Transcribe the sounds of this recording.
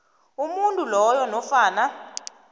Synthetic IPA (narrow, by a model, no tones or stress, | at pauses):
umuntʼulɔjɔnɔfaːna